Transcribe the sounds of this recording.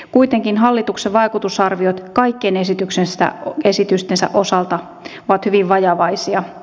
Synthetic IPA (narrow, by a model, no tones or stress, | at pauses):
kuit̪eŋkinɦɑlːit̪ukseʋʋɑikut̪usɑrʋiot̪kɑikːenesit̪yksensæ̰esit̪yst̪ensæ̰ʔosɑlt̪ɑ | oʋɑt̪hyʋiʋʋɑjɑʋɑisiɑ